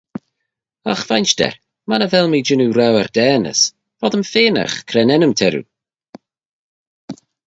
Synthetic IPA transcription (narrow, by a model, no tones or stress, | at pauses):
axvajnʃdɛ̰ɾ | manəvɛlˠmiːd͡ʒɪnuwɾawərd̥ɛːnə̰s | vɔdəmfeːna̰χkʰɾɛnɛnəmtʰɛɾṵ